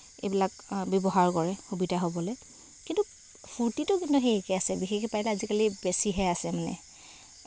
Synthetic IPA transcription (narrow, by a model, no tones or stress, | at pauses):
ḛjbilak̚bɔbɔɦaɹkɔɹɛxubidʱaɦobɔlɔj | kintu | pʰuɹtitʊkintuxeɛkɛasɛbixexɛpajilɛazikalibesiɦɛasɛmanɛ̰